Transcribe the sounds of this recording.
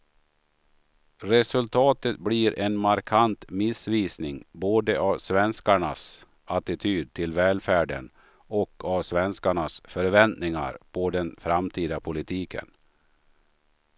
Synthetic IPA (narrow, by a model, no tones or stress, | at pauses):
ɾɛsɵlt̪ʰɑːt̪ət̪bliːɾʔɛnmaɾkʰant̪mɪsviːsnɪŋboːd̪əʔavsvɛnskaɳas | at̪ɪt̪ʰyːd̪̚t̪ʰɪlvɛːlfæːɖə̰n | ɔkʰːavsvɛnskaɳasfœɾvɛnt̪nɪŋa̰ɾpʰɔd̪ɛnfɾamt̪ʰiːd̪apʰʊlɪt̪ʰiːkʰə̰n